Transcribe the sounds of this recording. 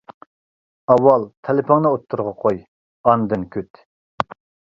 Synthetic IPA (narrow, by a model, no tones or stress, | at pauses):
ɑwːɑlˠt̪ʰelɪpʰoŋnɨot̪ʰːuɾʁɑqʰoj | ɑnd̪ɨnkʲʰøt̪